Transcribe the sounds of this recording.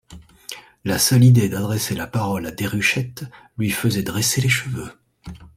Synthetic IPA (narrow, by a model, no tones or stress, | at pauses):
lasœlid̪ed̪ad̪ʁɛselapaʁɔlad̪eʁyʃɛt̪ | lɥifəzɛd̪ʁeseleʃəvø